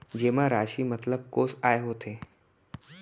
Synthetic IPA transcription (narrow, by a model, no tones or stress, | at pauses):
d͡ʑeːmãɾaːʃimɐt̪ləb̚koːsaːeɦot̪ʰeː